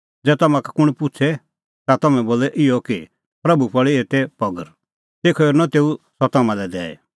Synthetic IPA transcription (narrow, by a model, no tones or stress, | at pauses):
d͡zɛːt̪ɐmãkakʊɽ̃pʊt͡sʰɛ | t̪at̪ɐmɛ̃boːlɛʔɪjɔki | pɾɐbupɔɭieːt̪ɛpɔɡəɾ | t̪eːkʰɔɔɾnat̪eːusɔt̪amãlɛd̪ɛ̰ːɛ̰